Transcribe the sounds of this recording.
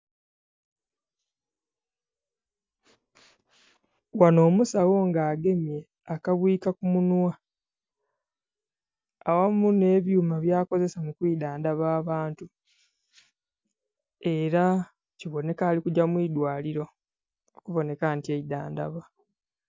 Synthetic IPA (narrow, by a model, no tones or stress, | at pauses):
wano̞ːmusawo̞ŋɡaːɡe̞mje̞ | akaβwiːkakumunwa | awamune̞ːβjuːmaβjaːko̞ze̞samukwiːdaːndaβaːβaːntu | e̞ɾa | ciβo̞ne̞kaːlikuɟamwiːdwaːliɾo̞ | okuβo̞ne̞kantieidaːnda̰βa